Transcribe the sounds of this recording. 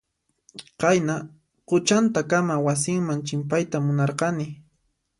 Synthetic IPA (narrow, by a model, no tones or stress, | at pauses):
qɑjna | qʊt͡ʃant̪akamawas̬ɪŋmant͡ʃɪmpajt̪amʊnɑɾqɑnɪ